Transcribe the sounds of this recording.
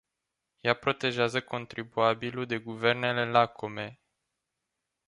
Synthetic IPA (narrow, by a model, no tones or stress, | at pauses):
japɾo̞t̪e̞ʒeazəko̞nt̪ɾibuabilud̪e̞ɡuve̞rne̞le̞lakʰo̞me̞